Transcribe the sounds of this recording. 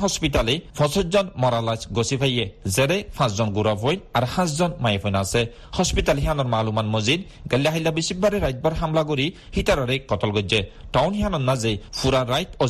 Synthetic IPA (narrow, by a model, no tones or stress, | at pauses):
ɦɔspit̪alefʰɔ̃sɔtzɔnmɔɾalasɡɔsipʰajezɛɾɛpʰãszɔnɡuɾafʰojnaɾhãszɔnmajefʰɔjnasɛ | hɔspitalɦiɦanɔɾmaːlumanmɔzid̪ | ɡalːaɦajlːabisibbaɾeɾajt̪̚baɾɦamlaɡoɾi | hit̪aɾaɾekɔt̪ɔlɡɔd͡ʒeʈawnɦiɦanɔnːazejpʰuɾaɾːajt̪ɔ